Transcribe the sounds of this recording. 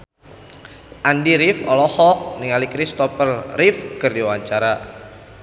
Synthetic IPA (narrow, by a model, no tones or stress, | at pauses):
ʔandiɾɪfɔlɔhɔk̚niŋalikɾist̪ɔfərrɪfkərdiwaɲt͡ʃaɾa